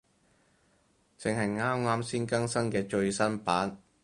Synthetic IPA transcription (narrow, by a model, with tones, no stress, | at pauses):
t͡sɪ˨ŋhɐ˨jŋaː˥mŋaː˥msiː˥nkɐ˥ŋsɐ˥ŋkɛː˧t͡ʃɵ˧ɥsɐ˥npaː˨˥n